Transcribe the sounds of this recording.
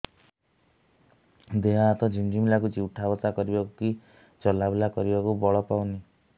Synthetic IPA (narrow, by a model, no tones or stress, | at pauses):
d̪eɦaːt̪ɔd͡ʒʱiŋd͡ʒimilak̬ut͡ʃiwʈʰabɔt̪akɔɾibakuki | t͡ʃɔlabelakɔɾibakubɔɭɔpawni